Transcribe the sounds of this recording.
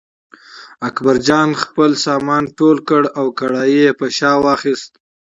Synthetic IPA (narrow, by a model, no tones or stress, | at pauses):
akbaɾd͡ʒɑːnxpəlsɑːmɑːnʈolkəɽawkaɽɑjijepəʃɑːwɑxist̪̚